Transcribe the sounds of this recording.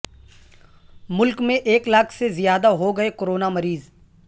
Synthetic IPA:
mʊlkmẽʔeːklakʰsezɪjaːd̪aɦoɡəekoɾoːnaməɾiːz

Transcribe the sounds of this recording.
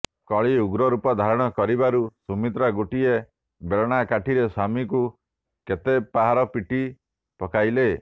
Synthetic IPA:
kɔɭiuɡɾɔɾupɔd̪ʱaɾɔɽ̃ɔkɔɾibaɾusumit̪ɾaɡoʈie | beɭɔɽ̃akaʈʰiɾesamiku | ket̪epaɦaɾɔpiʈi | pɔkajle

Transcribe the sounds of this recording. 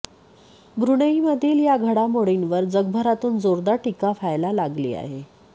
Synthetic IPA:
bʱɾuɽəiməd̪ʱiːljaɡʱəɽamoɽinʋəɾd͡zəɡbʱəɾat̪uːnd͡zoɾd̪aʈikafajlalaɡlḭːa̰ɦe

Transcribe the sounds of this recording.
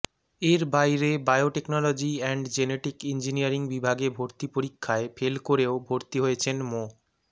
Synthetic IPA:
eɾbajɾebajoʈeknɔlod͡ʑiɛɳɖd͡ʑeneʈikind͡ʑinijaɾiŋbibʱaɡebʱoɾt̪ipoɾikʰːaefelkoɾeobʱoɾt̪iɦojet͡ɕʰenmo

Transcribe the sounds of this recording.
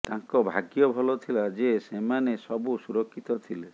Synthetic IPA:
t̪aŋkɔbʱaɡjɔbʱɔlɔt̪ʰilad͡ʒesemanesɔbusuɾɔkʰːit̪ɔt̪ʰile

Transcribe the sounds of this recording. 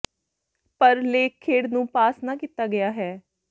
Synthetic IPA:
pəɾleːkʰːeːɽnũːpaːsnaːkit̪ːaːɡɪjaːɦɛː

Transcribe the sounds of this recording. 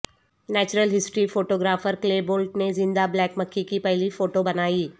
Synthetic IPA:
nɛːt͡ʃɾəlɦɪsʈɾifoːʈoːɡɾaːfəɾkleːboːlʈ̚nezɪ̃nd̪ablɛːkmɐkʰːikipɛɦlifoːʈobɐnaːiː

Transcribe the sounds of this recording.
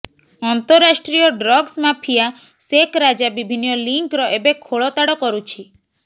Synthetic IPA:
ɔnt̪ɔɾːasʈɾijɔɖɾɔɡsmapʰija | sekɾad͡ʒabibʱinijɔliŋkɾɔʔebekʰoɭɔt̪aɽɔkɔɾut͡ʃʰi

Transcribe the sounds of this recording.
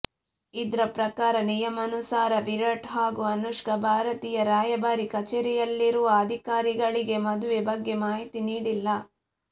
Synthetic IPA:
id̪ɾɐpɾɐkaːɾɐnijɐmɐnusaːɾɐʋiɾɐʈɦaːɡuɐnuʂkɐbʱaːɾɐt̪iːjɐɾaːjɐbaːɾikɐt͡ʃeɾijɐlːiɾuʋɐɐd̪ʱikaːɾiɡɐɭiɡe̞mɐd̪uʋebɐɡːe̞maːɦit̪iniːɽilːɐ

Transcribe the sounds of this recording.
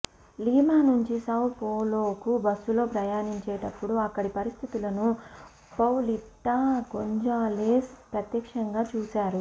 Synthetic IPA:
liːmaːnuɲt͡ʃisɐwpoːloːkubɐsːulo̞ːpɾɐjaːniɲt͡ʃɛːʈɐpːuɽuɐkːɐɽipɐɾist̪ʰit̪ulɐnu | pɐwliʈːakoɲd͡ʒaːleːspɾɐt̪jɐkʂɐŋɡaːt͡ʃuːsaːɾu

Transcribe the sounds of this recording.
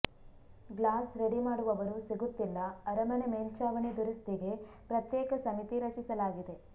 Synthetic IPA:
ɡlaːsɾeɽimaːɽuʋɐʋɐɾusiɡut̪ːilːɐɐɾɐmɐnemeːlt͡ʃaːʋɐɳid̪uɾist̪iɡe̞ | pɾɐt̪jɛːkɐsɐmit̪iɾɐt͡ʃisɐlaːɡid̪e̞

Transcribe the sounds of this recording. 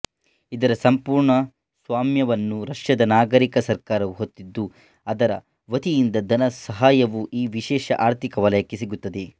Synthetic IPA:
id̪ɐɾɐsɐmpuːɾɳɐ | sʋaːmjɐʋɐnːuɾɐʂjɐd̪ɐnaːɡɐɾikɐsɐɾkaːɾɐʋuɦot̪ːid̪ːu | ɐd̪ɐɾɐ̰ | ʋɐt̪ijind̪ɐd̪ɐnɐsɐɦaːjɐʋuʔiːʋiʃɛːʃɐ̰ʔaːɾt̪ʰikɐʋɐlɐjɐkːesiɡut̪ːɐd̪e

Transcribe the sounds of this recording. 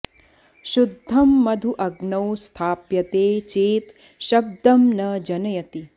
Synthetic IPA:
ʃud̪ʱːɐmːɐd̪ʱuʔɐɡnɐwst̪ʰaːpjɐt̪eːt͡ʃeːt̪ | ʃɐb̚d̪ɐmnɐd͡ʒɐnɐjɐt̪i

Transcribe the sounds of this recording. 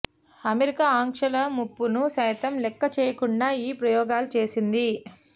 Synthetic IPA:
ɐmeɾikaːaːŋkʂɐlɐmupːunusɐjt̪ɐmlɛkːɐt͡ʃɛːjɐkuɳɖaːiːpɾɐjɔːɡaːlut͡ʃe̞ːsind̪i

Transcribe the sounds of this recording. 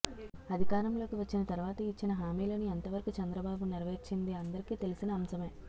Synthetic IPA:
ɐd̪ʱikaːɾɐmlo̞ːkiʋɐt͡ʃːinɐt̪ɐɾuʋaːt̪ɐit͡ʃːinɐɦaːmiːlɐːniɐnt̪ɐʋɐɾɐkut͡ʃɐnd̪ɾɐbaːbuniɾɐʋɐit͡ʃːind̪iɐnd̪ɐɾikiːt̪e̞lisinɐːmsɐme̞ː

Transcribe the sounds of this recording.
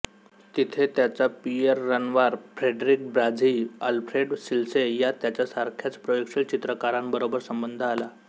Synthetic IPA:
t̪it̪ʰet̪jat͡sapiəɾːənʋaɾfɾeɖɾik̚bɾad͡zialfɾeɖɕilsejat̪jat͡ɕjasaɾkʰjat͡spɾojokɕilt͡ɕit̪ɾəkaɾambəɾobəɾsəmbənd̪ʱəːla

